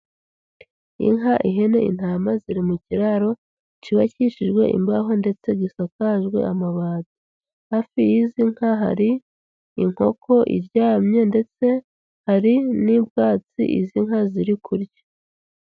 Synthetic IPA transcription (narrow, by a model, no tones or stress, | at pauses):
ḭŋɦaʔiɦe̞ne̞̰ḭn̥aːmaziɾimuciɾaɾo̞ | it͡ʃiβaciʃiʒɡwe̞̰ʔḭmbaɦo̞nde̞t͡se̞ɡisakaʒɡwe̞̰ʔamaβaːzi | hafijiziŋ̥haɦa̰ɾi | iŋ̥ho̞̰kʰo̞ʔḭɾɟaːmɲe̞ndet͡se | haɾinibɡaːt͡sḭʔḭziŋ̥haziɾikʰuɾjḁ